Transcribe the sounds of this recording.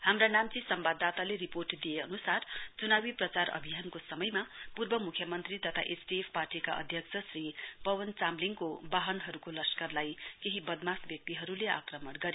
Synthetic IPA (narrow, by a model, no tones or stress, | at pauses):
hamranamt͡sisʌmbad̪ːat̪aleɾiporʈd̪ijeʌnusart͡sunawiprʌt͡saɾʌ̰bʱijankosʌmʌjmapurbʌmukʰjʌmʌnt̪rit̪ʌt̪ʰa̰ʔesʈiepʰparʈika̰ʔʌ̰d̪ʱjʌkt͡sʰʌsripʌwʌnt͡samliŋkobaɦʌnɦʌɾukolʌskʌrlajkeɦibʌd̪masbjʌk̚t̪iɦʌɾulea̰krʌmʌɽɡʌɾe